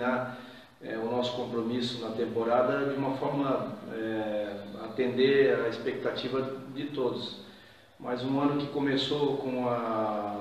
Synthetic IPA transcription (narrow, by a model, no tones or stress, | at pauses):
aɾ | ɛ̰ʊnɔsʊ̥kõmpɾomisʊnɐt̪ẽmpoɾad̪ɐd͡ʒɪũmɐfɔɾmɐɛ | at̪ẽnd̪eɾɐespek̚t̪at͡ʃivɐd̪ɪt̪od̪ʊs | mʔajzũɐ̃nʊkɪkomesokõɐ